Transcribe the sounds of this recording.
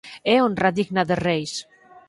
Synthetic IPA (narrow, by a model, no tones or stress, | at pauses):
ɛonraðiɣnaðerejs